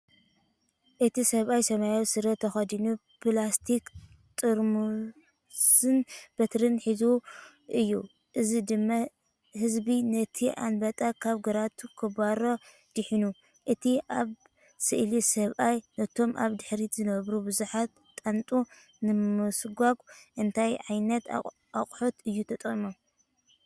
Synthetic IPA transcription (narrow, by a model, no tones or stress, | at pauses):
ʔɨt̪isɐβʔajsɐmajosɨɾɐt̪ʰːɐxɐd̪inu | plast̪ʰik | t̪ʼɨɾmu | sɨnb̥ɐt̪ɾɨnħizu | ʔɨjːṵ | ʔɨzid̪ɨmːa | hɨzbinɐt̪ʰiʔa̰nbɐt̪ʼakʰaβɡɐɾat̪ʰukʰɐbaɾo | d̪̥ɨħinu | ʔɨt̪ʰiʔaβ | sɨʔlisɐβʔajnɐt̪ʰo̞mʔa̰βd̪ɨħɾizɨnɐβɾubɨzuħat̪ʼːant̪ʼu | nɨmɨsɡʷaɡʼʔɨnt̪ʰajʕajnɐt̪ | aχʼħot̪ɨjːut̪ʰɐt̪ʼɣʼimo